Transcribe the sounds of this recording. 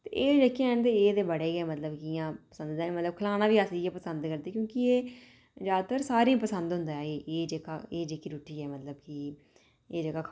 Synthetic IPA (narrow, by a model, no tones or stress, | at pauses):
t̪ḛːʔeːd͡ʒeːkiãɛːnt̪̬eːeːd̪eːbəɽeːɡɛːmət̪ləbkɪjãːpə̥sə̃nd̪d̪ɛːnmət̪ləb̚kʰəlaːnãːbiːəsijɛːpəsə̃nd̪kəɾd̪eːkjõːkɪeː | d͡ʒaːd̪t̪əɾsaːɾĩːpəsənd̪ɦʊ̃nd̪aːɛːʔeːd͡ʒeːkaːeːd͡ʒeːkiːɾuːʈʰːiːɛːmət̪ləbki | eːd͡ʒəɡaːkʰ